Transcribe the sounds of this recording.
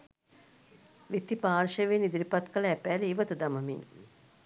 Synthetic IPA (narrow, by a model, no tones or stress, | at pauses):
ʋit̪ːipaːrʃəʋenːid̪iɾipat̪kələæpæːleiʋət̪əd̪aməmin